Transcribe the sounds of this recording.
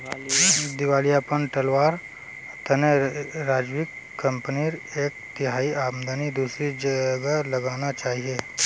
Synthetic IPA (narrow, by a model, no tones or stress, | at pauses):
d̪ɪʋaːlijapənʈɐlʋaːɾ | t̪əneɾaːd͡ʒwɪkːə̃mpniɾeːk̚t̪ɪɦaːiʔaːmd̪ənid̪uːsɾid͡ʒəɡalɐɡaːnat͡ʃaːɦieː